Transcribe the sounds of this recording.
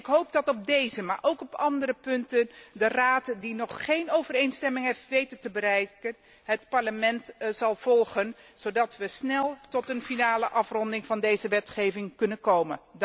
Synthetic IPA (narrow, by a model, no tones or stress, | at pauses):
ɪkɦowp̚dɑtɔb̚dejzəmaːɹʔowkɔpɑndərəpɵntəndəraːtdinɔχːejnowvərejnstɛmɪŋɦɛfʋejtəntəbəɾɛjkən | ɦətpɑɹləmɛntz̥ɑlˠv̥ɔlˠχənz̥owdɑtʋəsnɛlˠtɔtənfinaːləʔɑfrɔndɪŋvɑndejzəʋɛtχejvɪŋkɵnənkowmə̰n